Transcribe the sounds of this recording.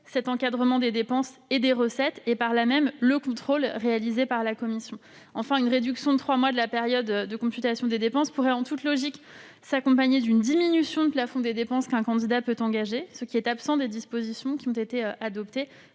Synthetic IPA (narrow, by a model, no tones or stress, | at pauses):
sɛt̪ɑ̃kad̪ʁəmɑ̃d̪ed̪epɑ̃sed̪eʁəsɛt̪epaʁlamɛmləkɔ̃t̪χolʁealizepaʁlakɔmisjɔ̃ | ɑ̃fɛ̃ynʁed̪yksjɔ̃d̪ət̪χwamwad̪əlapɛʁjɔd̪ːəkɔ̃syt̪asjɔ̃d̪ed̪epɑ̃spuʁɛɑ̃t̪ut̪lɔʒik | sakɔ̃paɲed̪ynd̪iminysjɔ̃d̪əplafɔ̃d̪ed̪epɑ̃skɛ̃kɑ̃d̪id̪apøt̪ɑ̃ɡaʒesəkʲiɛt̪apsɑ̃d̪ed̪ispozisjɔ̃kʲiɔ̃t̪et̪eøʔad̪ɔpt̪e